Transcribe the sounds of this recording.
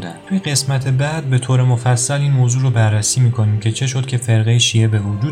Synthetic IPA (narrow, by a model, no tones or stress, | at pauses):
d̪æ̰nt̪ʰujeɣe̞smæt̪ʰe̞bæd̪̚be̞t̪ʰoːɾe̞mofæsːæliːnmoːzuːɾobærːæsiːmiːkʰo̞niːmcʲʰe̞t͡ʃʰe̞ʃo̞d̪̚cʰʲe̞fe̞ɾɣejeʃiːe̞be̞vod͡ʒuː